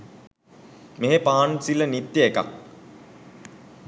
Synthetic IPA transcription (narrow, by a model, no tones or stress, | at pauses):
meɦepaːansilənit̪jəeka̰k̚